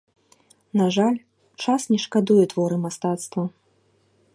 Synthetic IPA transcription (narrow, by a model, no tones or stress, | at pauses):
naʐalʲ | t͡ʂasnʲɛʂkad̪ujɛt̪vɔɾɨmast̪at̪st̪vɐ